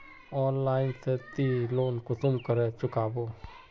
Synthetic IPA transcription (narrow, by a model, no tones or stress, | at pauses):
ɔːnlaːɪnset̪iloːnkʊt̪ʊmkəɾet͡ʃʊkaːboː